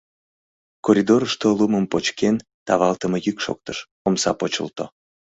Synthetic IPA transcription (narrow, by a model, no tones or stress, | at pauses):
koɾʲid̪oɾəʃt̪oluməmpot͡ɕken | t̪ɑβɑlt̪əməjykʃo̰k̚t̪əʃ | omsɑpot͡ɕə̰lt̪o